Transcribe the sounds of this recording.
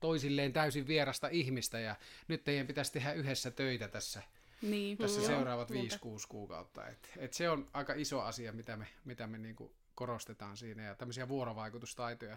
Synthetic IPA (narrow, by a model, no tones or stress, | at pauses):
t̪oˑisilːeːnt̪æˑysiʋʋierɑst̪ɑihmist̪æjɑnyt̪ːeˑijæmpit̪æst̪ehæyhesːæt̪øˑit̪æt̪æsːæ | niːt̪æsːæseˑurˑɑːʋɑt̪ʋiːskuːskuːkɑ̰ˑut̪ːɑ̰ḛt̪et̪seonʔɑˑikɑisoɑsiɑmit̪æmemit̪æmeniːŋkṵ | korost̪et̪ɑːnsiːnæjɑt̪æmːøsiɑʋuoroʋɑˑikut̪ust̪ɑˑit̪ojɑ